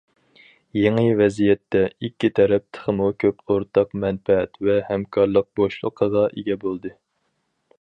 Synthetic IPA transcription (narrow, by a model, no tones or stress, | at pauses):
jeŋəvɛzijɛt̪ːɛikʲːit̪ʰɛɾɛp̚t̪ʰə̥χəmukʲʰøpoɾt̪ʰɑqmɛnpɛɛt̪vɛhɛmkʰɑɾlˠəq̚boʃlˠəqʰəʁɑʔeɡʲɛbolˠd̪ɨ